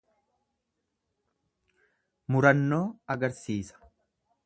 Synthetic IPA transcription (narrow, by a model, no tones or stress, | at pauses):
mʊɾɐnːo̞ːɐɡɐɾsiːsɐ̥